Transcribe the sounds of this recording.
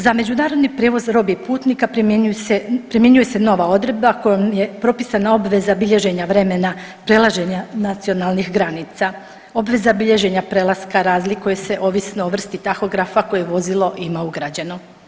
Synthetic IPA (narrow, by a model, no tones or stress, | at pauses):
zame̞d͡ʑunaːɾo̞d̪nipɾe̞ʋo̞zɾo̞bipuːt̪nikapɾepɾimje̞ɲuje̞se̞no̞ʋao̞d̪ɾe̞d̪̚bakojomje̞pɾo̞pisanao̞bʋe̞zabiʎe̞ʒe̞ɲaʋɾe̞me̞na | pɾe̞lˠaʒe̞ɲanat̪sio̞nalˠnixɡɾanit̪sa | o̞bʋe̞zabiʎe̞ʒe̞ɲapɾe̞lˠaskaɾaːzlikujese̞ʔo̞ʋisnoːʋr̩st̪it̪axo̞ɡɾafako̞jeeʋo̞zilˠo̞ʔimauɡɾad͡ʑe̞no̞